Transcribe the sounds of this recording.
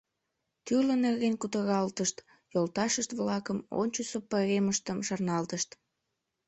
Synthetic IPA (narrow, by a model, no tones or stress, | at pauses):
t̪yrlənerɣenkut̪əɣɑlt̪əʃt̪ | jolt̪ɑʃəʃt̪βlɑkəmo̰nʲt͡ɕəsopəɣeməʃt̪əmʃɑrnɑlt̪əʃt̪